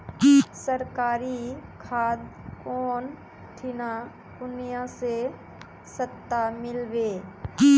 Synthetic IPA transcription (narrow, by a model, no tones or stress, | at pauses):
səɾkaːɾikʰaːd̪kɔːn | ʈʰɪna | kʊnijãse | sət̪ːamɪlʋeː